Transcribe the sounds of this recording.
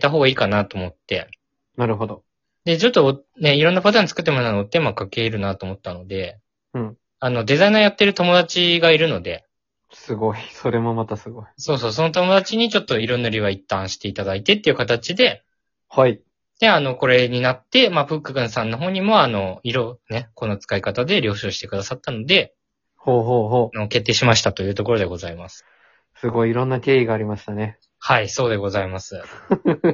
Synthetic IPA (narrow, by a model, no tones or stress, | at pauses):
t̪aɦo̞ːɡaiːkanat̪oːmo̞t̪ːe̞̰ | naɾɯ̟ɦod̪o | d̪e̞t͡ɕo̞t̪ːone̞iɾo̞nːapat̪̬ãɲ̟it͡sɨ̥kɯ̟t̪ːemonanot̪ːemakake̞ːɾɯ̟nat̪oːmo̞t̪ːanod̪e̞ | ɯ̃ | ano̞d̪e̞zainajat̪ːe̞ɾɯ̟t̪o̞mo̞d̪at͡ɕiɡaiɾɯ̟no̞d̪e̞̰ | sɨɡoisoɾe̞momat̪asɨɡoiso̞ːso̞ːs̬o̞no̞t̪o̞mo̞d̪at͡ɕiɲ̟it͡ɕo̞t̪ːo̞iɾo̞nːoɾʲiβait̪ːãɰ̃ɕi̥t̪e̞it̪ad̪ait̪e̞t̪ːeiɯ̟kat̪at͡ɕid̪e̞ | hai | d̪̥e̞ano̞ko̞ɾe̞ɲ̟inat̪ːe̞maɸɯ̟kːɯɡɯ̟̃ɰ̃sãnːo̞ɦo̞ːɲ̟imo̞ano̞iɾo̞ne̞ko̞nːot͡sɨ̥kaikat̪ad̪e̞ɾʲo̞ːɕoːɕi̥t̪e̞kɯ̟d̪asat̪ːano̞d̪e̞ | hoːɦoːɦoːano̞ke̞t̪ːeːɕimaɕ̬i̥t̪at̪o̞jɯ̟ːt̪o̞ko̞ɾo̞d̪e̞ɡo̞zaimasɨ̥ | sɨɡo̞iːɾõ̞nːakʲe̞ːiɡaːɾʲimaɕi̥t̪ane̞ | haiso̞ːd̪e̞ɡo̞zaimasɨ